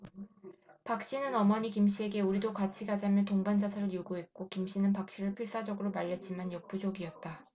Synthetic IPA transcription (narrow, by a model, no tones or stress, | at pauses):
pak̚ɕ͈inɯnʌmʌɲikimɕ͈ie̞ɡe̞uɾidokat͡ɕʰiɡad͡ʑamjʌtoŋband͡ʑasʰaɾɯɾjuɡuɦe̞t̚k͈okimɕ͈inɯnpak̚ɕ͈iɾɯɭpʰiɭs͈ad͡ʑʌɡɯɾomaʎːʌt̚t͡ɕ͈imanjʌp͈ud͡ʑoɡiʌt̚t͈a